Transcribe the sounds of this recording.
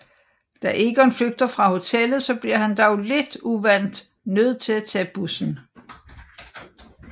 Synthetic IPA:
d̥æʔe̝ɡ̥əɒnfløɡ̥̚d̥ɐfʁɑ̈ho̝t͡sʰelð̞̩ˠsɒ̽b̥liɐ̰hænd̥ɑʊle̝d̥uʋæn̰d̥ | nøð̞̰ˠt͡sʰe̝læt͡sʰɛ̰ːb̥usn̩

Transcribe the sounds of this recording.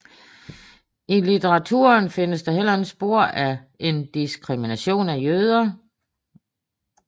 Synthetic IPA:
ilit͡sʰeʁɑ̈t͡sʰṵːɐnfe̝nəsd̥ɑ̈ɦel̰ɐensb̥o̝ɐ̰ʔæʔe̝nd̥isɡ̥ʰʁiminæɕo̝̰ːnæjøð̞ˠɐ

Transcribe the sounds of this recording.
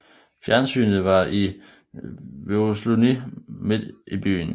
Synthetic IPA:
fjæɐnsy̰ːnð̩ˠʋɑ̈ʔi | ʋoslonimed̥ib̥y̰ːn̩

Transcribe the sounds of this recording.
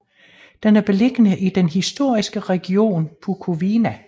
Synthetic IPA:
d̥enæɐb̥e̝le̝ɡ̥ənəʔid̥enɦisd̥o̝ɐ̰isɡ̥əʁɛɡ̥io̝̰ːnpʰukʰo̝ʋinæ

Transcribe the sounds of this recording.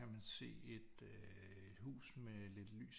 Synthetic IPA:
æmænse̝̰ːe̝d̥ | ø | e̝d̥hṵːsmele̝d̥ly̰ːs

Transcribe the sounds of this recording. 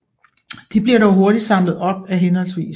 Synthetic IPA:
d̥ib̥liɐ̰ɾɒʊɦo̝ɐɾ̥id̥sɑ̈mlð̩ˠɒ̽b̥̚æɦenhɒ̽l̰sʋḭːs

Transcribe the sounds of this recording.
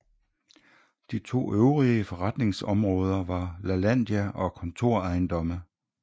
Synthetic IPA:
d̥it͡sʰo̝̰ːøʊʁiəfɒ̽ʁɑd̥ne̝ŋsɒ̽mʁɔ̽ːð̞ˠɐʋɑ̈lælæn̰d̥jæʔɒ̽kʰɒ̽nt͡sʰo̝ɐ̰ɑ̈ɪnd̥ɒ̽mə

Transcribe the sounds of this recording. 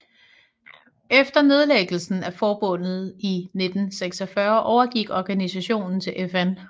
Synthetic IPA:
efd̥ɐne̝ð̞ˠleɡ̥l̩sn̩æfɒːb̥ɔ̽n̰ð̩ˠine̝d̥n̩seɡ̥sɐfɶɐʔɒʊɐɡ̥iɡ̥ɒɡ̥ænisæɕo̝̰ːnn̩t͡sʰe̝lʔefæn

